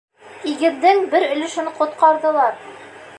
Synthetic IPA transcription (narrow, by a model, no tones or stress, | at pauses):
iɡɘ̆nd̪ɘŋbɘɾɵ̆lɘ̆ʃɘ̆nqŏt̪̚qɑɾðɤ̆lˠɑɾ